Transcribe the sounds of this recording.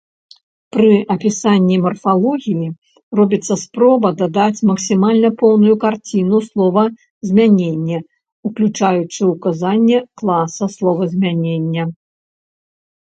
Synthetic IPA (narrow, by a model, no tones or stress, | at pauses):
pɾɨʔɐpʲisanʲːimɐrfalˠɔɣʲiji | rɔbʲit̪sːɐspɾɔbɐd̪ad̪at͡sʲmɐksʲimalʲnɐpɔwnujukart͡sʲinuslˠɔvɐ | zʲmʲanʲenʲːɐ | uklʲut͡ʂajut͡ʂɨukazanʲːɛklˠasɐslˠɔvɐzʲmʲanʲenʲːɐ